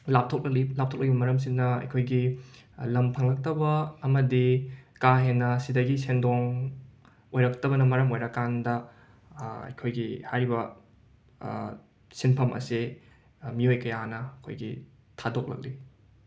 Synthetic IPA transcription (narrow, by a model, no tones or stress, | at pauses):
lap̚tʰok̚lɐk̚lilap̚tʰok̚lɐkɡ̚ibɐmɐɾɐms̬inːɐɐ̰jkʰojɡi | lɐmpʰɐŋlɐk̚tɐbɐːmɐdikaɦenːɐsidɐɡisendoŋ | ojɾɐk̚tɐbɐnɐmɐɾɐmojɾɐkːandɐ | ɐ̰jkʰojɡihajɾibɐ | sinpʰɐmʔɐ̰si | miojkɐjanɐɐkʰo̰jɡḭ | tʰadok̚lɐ̰k̚li